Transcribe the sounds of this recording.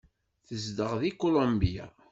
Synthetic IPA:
θəzd̪əʁðikolõmbija̰

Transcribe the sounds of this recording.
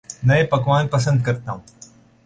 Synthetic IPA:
nɐẽpɐkʋãːñpɐs̬ə̃nd̪̚kɐɾt̪aːɦũ

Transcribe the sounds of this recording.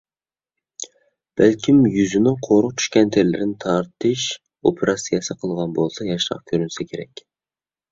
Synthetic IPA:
b̥ælkʲʰimjyzynɪqʰoɾʊqt͡ʃʰy̥ʃkʲɛnt̪ʰɪɾɪlɪɾɪnɪt̪ʰɑɾt̪ʰɨʃ | opʰɪɾɑsijɑsɨqʰəlˠʁɑnbolˠsɑjɑʃɾɑ̰qkʲʰøɾynsɛkʲʰeɾɛ̰kʲ

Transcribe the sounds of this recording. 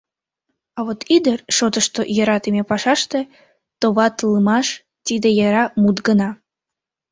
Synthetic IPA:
ɑβot̪ʰid̪ərʃot̪əʃt̪ojəɾɑt̪imʲepɑʃɑʃt̪e | t̪oβɑt̪lˠɨmɑʃ | t̪id̪ejɑɾɑmut̪ɡənɑ

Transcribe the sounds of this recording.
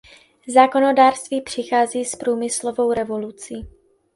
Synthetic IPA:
zaːko̞no̞daːr̥st̪viːpr̝̥ɪxaːziːspɾuːmɪslo̞vo̞wɾɛvolut͡siː

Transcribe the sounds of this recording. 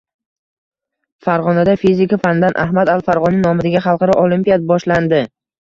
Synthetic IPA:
faɾʁɒnad̪afizɪkafanɪd̪anʔahmad̪alˠfaɾʁɒnɪnɒmɪd̪aɡʲaχɑlˠqʰɑɾɒʔolimpijat̪̚bɒʃland̪ɪ

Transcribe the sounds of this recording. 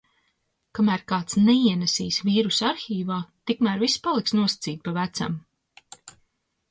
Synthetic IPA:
kamæːɾkaːt̪snɛiɛnɛsḭːsviːɾusaɾxiːvaːt̪ikmæːɾvispalˠiksnuɔsḁt̪siːt̪̚pavæt̪sa̰m

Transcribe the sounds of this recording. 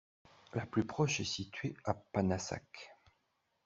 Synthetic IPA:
laplypχɔʃɛsit̪ɥeapanasa̰k

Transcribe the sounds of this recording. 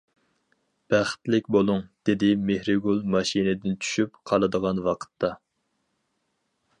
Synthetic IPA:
b̥æχt̪lɪkʲbolˠʊŋd̪̥ɪd̪ɪmehɾɪɡulˠmɑʃinɪd̪ɪnt͡ʃʰy̥ʃypqʰɑlˠɨd̪əʁɑnwɑqʰə̥t̪ːɑ

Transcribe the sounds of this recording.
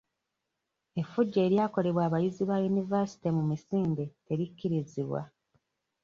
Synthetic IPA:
e̞fuɟːeːɾjaːko̞le̞βwaːβajiziβajunivasi̥timumisiːnde̞te̞ɾikːiɾiziβwa̰

